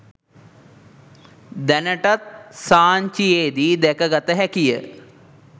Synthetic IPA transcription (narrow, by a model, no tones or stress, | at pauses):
d̪ɐnɐʈɐt̪̚saːɲt͡ʃijeːd̪id̪ekɐɡɐt̪ɐɦɛkijə̰